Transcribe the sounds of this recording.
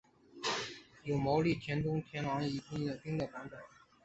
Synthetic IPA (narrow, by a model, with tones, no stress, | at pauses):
jo˨˩ʊmo˧˥ʊli˥˩t̪ʰjɛ˧˥nt̪ʊ˥ŋt̪ʰjɛ˧˥nlɑ˧˥ŋi˧˥˩t͡ɕi˥ŋd̪ə˨˩pi˥ŋd̪ə˨˩pa˧˥npə˨˩˦n